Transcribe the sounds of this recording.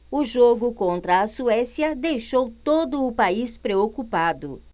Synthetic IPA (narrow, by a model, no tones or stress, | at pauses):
ʊʒoɡʊkõnt̪ɾɐːsuɛsiɐd̪ejʃowt̪od̪ʊːpaispɾeokupad̪ʊ̰